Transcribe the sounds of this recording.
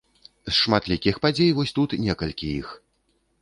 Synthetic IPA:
sʂmat̪lʲikʲixpad͡zʲejvɔsʲt̪ut̪nʲɛkɐlʲkʲijḭx

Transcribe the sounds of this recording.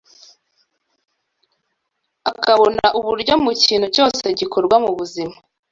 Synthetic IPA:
akaβo̞naʔuβuɾɟo̞muciːnhuco̞ːse̞ɟikʰoɾɡwamuβuzima

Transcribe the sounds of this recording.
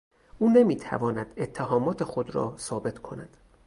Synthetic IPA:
ʔuːne̞miːt̪ʰæ̰vɒːnæd̪̥e̞t̪ʰːeɦɒːmɒːt̪ʰe̞xod̪ɾɒ̰ːsɒːbe̞t̪ʰkʰo̞næd̪̥

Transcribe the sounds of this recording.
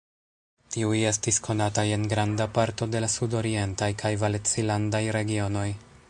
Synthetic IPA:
tiuje̞stiskʰo̞nataje̞nɡɾandapaɾto̞de̞lasudo̞ɾie̞ntajkʰajvalet͡silandajɾe̞ɡio̞no̞j

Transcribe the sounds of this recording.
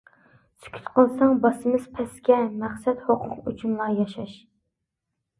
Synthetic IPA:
sʰy̥kʲʰy̥t̪qʰəlˠsɑŋbɑsɨmɨz̥pʰɛskʲɛmæχsɛt̪hoqʰʊqy̰t͡ʃʰymlˠɑjɑʃɑʃ

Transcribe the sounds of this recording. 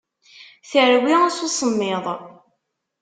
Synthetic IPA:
θəɾwiasusˤəmːɪðˤ

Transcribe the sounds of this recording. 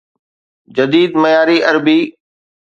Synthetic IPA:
d͡ʑɐd̪iːd̪mɐjaːɾiʔɐɾbiː

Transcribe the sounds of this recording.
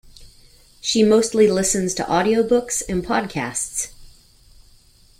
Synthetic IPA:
ʃimoʊstˡlilɪsɨ̃nz̥tʰə̰ʔɔɾioʊbʊksɨ̃npʰɑd̚kʰæ̰sts

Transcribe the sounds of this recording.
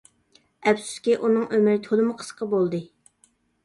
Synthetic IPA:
ɛpsu̥skʲiʔunɨŋʔømɾɪt̪ʰolˠɨmʊqʰə̥sqʰɑbolˠd̪ɨ

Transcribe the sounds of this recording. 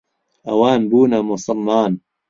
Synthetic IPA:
ɐwaːnbuːnɐmʊsɨlmaːn

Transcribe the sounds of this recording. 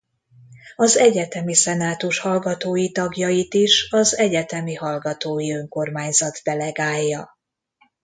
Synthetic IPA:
ɒzɛɟɛt̪ɛmisɛnaːt̪uʃhɒlɡɒt̪oːjit̪ɒɡjɒjit̪iʃɒzɛɟɛt̪ɛmihɒlɡɒt̪oːjiøŋko̞rmaːɲzɒt̪ːɛlɛɡaːjːɒ

